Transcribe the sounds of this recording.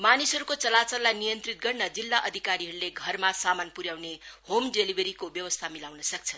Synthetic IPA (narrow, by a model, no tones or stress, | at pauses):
manisɦʌɾukot͡sʌlat͡sʌrlajnijʌnt̪rit̪̚ɡʌrnʌd͡zilːaʔʌd̪ʱikaɾiɦʌɾuleɡʱʌrmasamanpuɾjawnehomɖelibʱeɾikobjʌwʌst̪ʰamilawnʌsʌk̚t͡sʰʌn